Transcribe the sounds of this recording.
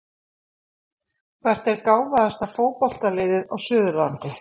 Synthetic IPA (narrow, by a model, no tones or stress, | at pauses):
kʰvɛr̥t̪ɛɾkaːwvaðast̪avfoːwpɔl̥t̪alejðɪðɔɣsʏːðʏɾvant̪ɪ